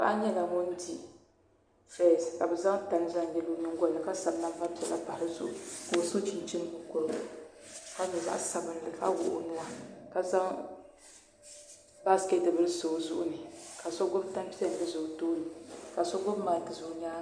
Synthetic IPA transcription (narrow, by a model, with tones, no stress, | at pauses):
ka̰˨ʔa˦ɲɛ˦la˨ŋo˦n˦di˦ | fɛ˦˨ska˨bɛ˨za˦ŋta˨nɨ˦za˦ŋ˨jɛ˨lu˦nɨ˦ŋɡʷɔ˦nɨ˨ka˦sa˨bna˦va˦pi˨ɛ˨la̰˦pa˨hɾɨ˦zʊ̰˦ʔʊ̰˨ko˨sɨ˦t͡ʃi˨n˨˦t͡ʃi˦kʊ˦ko˨lka˦ɲɛ˨za̰˦ʔsa˨bɨ˨n˦lɨ˨ka̰˦wʊ̰˨ʔʊ̰˨nu˦a˦ka˨za˦ŋ | ba˦ske˦tɨ˨bɨ˦lɨ˦soː˨zʊ̰˦ʔʊ̰˦nɨ˨ka˨sɔ˦ɡʊ˦bta˦m˦pi˦ɛ˦˨n˨dɨ˦zʊ˨toː˦nɨ˨ka˨sɔ˦ɡʊ˦m˦ma˨tɨ˦˨zʊ˨ɲaː˦